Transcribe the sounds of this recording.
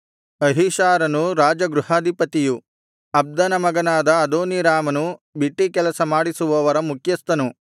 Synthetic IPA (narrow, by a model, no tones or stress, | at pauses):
ɐɦiʃaːɾɐnuɾaːd͡ʒɐɡɾuhaːd̪ʱipɐt̪iju | ɐb̚d̪ɐnɐmɐɡɐnaːd̪ɐːd̪oːniɾaːmɐnubiʈːikɛlɐsɐmaːɽisuʋɐʋɐɾɐmukʰjɐst̪ɐnu